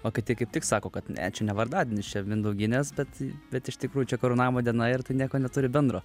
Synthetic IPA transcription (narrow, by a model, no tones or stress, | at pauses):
oːkʲɐɪtt̪ʲɪkɐɪp̚t̪ʲɪksɑːkoːkɐt̪nʲæ̰ːt͡ʃʲɛnʲɛʋɐrd̪ɑːd̪ʲɪnʲɪt͡ʃʲɛmʲɪnd̪ɐʊɡʲɪnʲeːsbʲɛt̪bʲɛt̪ɪʃt̪ʲɪkɾuːjʊt͡ʃʲɛkɐɾuːnɑːmoːd̪ʲiɛnɐɪrt̪ɐɪnʲiɛkoːnʲɛt̪ʊɾʲɪbʲɛnd̪ɾoː